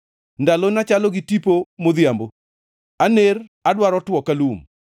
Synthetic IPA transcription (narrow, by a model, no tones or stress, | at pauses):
ndalonat͡ʃalɔɡɪtipomoðjambo | aneradwaɾɔtwɔkalum